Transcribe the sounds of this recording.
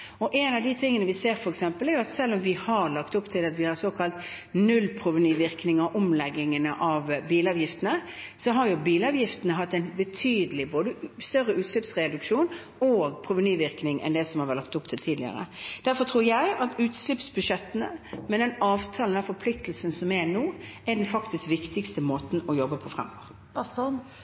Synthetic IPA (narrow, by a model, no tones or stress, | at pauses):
ɔʔɛnɑʋd̪ɪt̪ʰɪŋːənəʋɪseːɾfɔɾɛksɛmpəlæɾjʊɑt̪sɛlːɔmʋɪhɑɾlɑkt̪ʊpːt̪ʰɪlɑt̪ʋɪhɑɾsoːkʰɑlt̪ | nʉlpʰɾʊʋɪnyːʋɪʁknɪŋɑʔʊmlɛɡːɪŋənəʔɑʋbiːlɑːʋjɪft̪ənəsɔɦɑɾjʊbiːlɑːʋjɪft̪ənəɦɑt̪ːæɪnbət̪ʰyːd̪əlɪboːd̪əst̪œɾːəʉːt̪slɪpsʁɛd̪ʉkʂuːn | oɡpʰɾʊʋənyːʋɪɾknɪŋʔɛ̰nd̪ɛsɔmhɑɾʋɛlɑk̚t̪ʊpt̪ʰɪlt̪ʰiːd̪lɪə̰ɾə̰d̪̥æɾfɔt̪ʰʁuːɾjæɪɑt̪ʉːt̪slɪpsbʉʂɛt̪ːənəmɛnd̪ɛnɑːʋt̪ʰɑːln̩ɑfɔpʰlɪkt̪l̩sənsɔmɛnoːæd̪ɛnfɑkt̪ɪskʋɪkt̪ɪkst̪əmoːt̪n̩ɔjɔbːəpʰɔfɾɛ̰mɡo̰ːʁ